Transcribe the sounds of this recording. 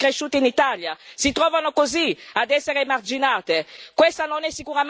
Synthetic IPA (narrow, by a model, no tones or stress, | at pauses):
kɾeʃːuːt̪init̪aljasit̪ɾɔːvanokoziad̪ɛsːeɾeːmard͡ʒinaːt̪ekwɛst̪anonɛsːikuɾam